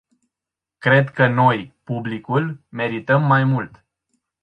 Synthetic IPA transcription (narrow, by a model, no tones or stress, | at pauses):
kɾe̞d̪kəno̞jpublikulme̞ɾit̪əmːajmult̪